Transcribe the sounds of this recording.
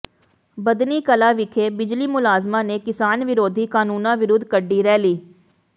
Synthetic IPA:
bɐd̪nikɐlaʋɪkʰebɪd͡ʒlimʊlaːzmanekɪsaːnʋɪɾoːd̪ʱikaːnuːnãʋɪɾʊd̪ʱkəɖːiɾɛːliː

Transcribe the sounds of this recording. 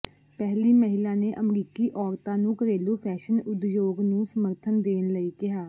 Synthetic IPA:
pɛɦliːməɦɪlãːneːʔəmɾiːkiːʔɔːɾt̪ãːnũːkəɾeːluːpʰɛːʃənʊd̪joːɡnũːsəməɾt̪ʰənd̪eːnləiːkɪɦaː

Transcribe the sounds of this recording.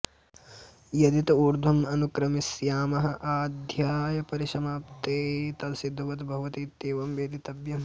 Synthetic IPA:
jɐd̪it̪ɐuɾd̪ʱɐmɐnukɾɐmisjaːmɐɦɐʔaːd̪ʱjaːjɐpɐɾiʃɐmaːpt̪eːt̪ɐlsid̪ʱːuʋɐt̪bʱɐɦʋɐt̪iːt̪ːeːʋɐmʋeːd̪it̪ɐbjɐm

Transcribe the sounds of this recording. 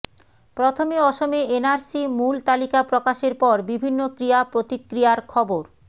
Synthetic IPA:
pɾot̪ʰomiɔʃomeenaɾsimult̪alikapɾokaʃeɾpɔɾbibʱinːokɾiapɾot̪ikːɾiaɾkʰɔboɾ

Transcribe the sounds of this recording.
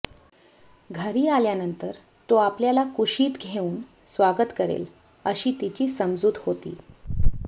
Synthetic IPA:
ɡʱəɾiːaljanənt̪əɾ | t̪oapljalakuʂiːt̪ɡʱeuːn | sʋaɡət̪kəɾḛl | əɕiːt̪it͡ɕiːsəmd͡zuːd̪hot̪ḭː

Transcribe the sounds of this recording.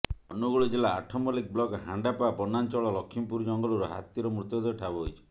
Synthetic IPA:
ɔnuɡuɭid͡ʒela̰ːʈʰɔmɔlik̚blɔkɦaɳɖapapɔnant͡ʃɔɭɔlɔkʰːimpuɾd͡ʒɔŋɡɔluɾɔɦa̰t̪iɾɔmɾut̪jɔd̪ɔʈʰabɔɦojt͡ʃʰɔ̥

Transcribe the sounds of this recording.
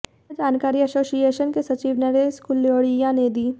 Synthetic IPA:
d͡ʒaːnkaːɾiɐsoːsieːʃənkesɐt͡ʃiːʋnɐɾeskulːoːɽijãneːd̪iː

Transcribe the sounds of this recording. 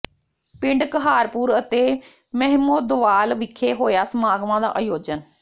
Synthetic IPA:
pɪ̃ɳɖkəɦaːɾpuːɾət̪eː | mɛɦmoːd̪ʊʋaːlʋɪkʰːeːɦoːjaːsəmaːɡʋãːd̪a̰ːʔajoːd͡ʒən

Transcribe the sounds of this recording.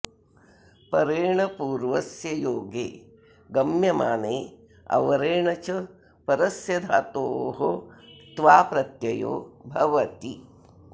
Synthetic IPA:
pɐɾeːɳɐpuːɾʋɐsjɐjoːɡeː | ɡɐmjɐmaːneː | ɐ̰ʋɐɾeːɳɐt͡ʃɐ | pɐɾɐsjɐd̪ʱaːt̪oːɦot̪ʋaːpɾɐt̪jɐjo̰ːbʱɐʋɐt̪i

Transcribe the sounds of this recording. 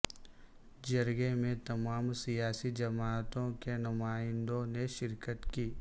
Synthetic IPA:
d͡ʒɐɾɡemẽt̪ɐmaːmsijaːsid͡ʒɐmaːt̪õkenʊmaːɪ̃nd̪õneʃɪɾkət̪kiː

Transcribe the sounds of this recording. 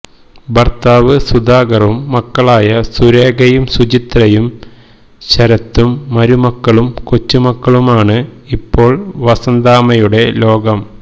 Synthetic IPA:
bɐrt̪aːʋɨsud̪aːɡɐrumːɐkːɐɭaːjɐsuɾe̞ːɡɐjumsut͡ɕit̪rɐjum | ɕɐɾɐt̪ːumːɐɾumɐkːɐɭumkot͡ɕːumɐkːɐɭumaːɳɨipːo̞ːɭʋɐsɐnd̪aːmɐjuɽe̞lo̞ːɡɐm

